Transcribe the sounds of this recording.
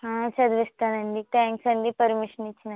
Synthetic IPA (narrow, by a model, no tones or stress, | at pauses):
ɦãt͡ʃʰɐd̪ʋɐst̪ɐnɐnd̪it̪ɛːŋksɐnd̪ipɐɾmiʃɐnit͡ʃʰːnɐ